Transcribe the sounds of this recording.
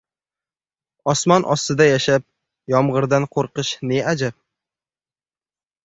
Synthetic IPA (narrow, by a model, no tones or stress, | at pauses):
ɒsmɒnʔɒst̪ɪd̪ajaʃap̚ | jɒmʁɨɾd̪anqʰoɾqɨʃnead͡ʒap̚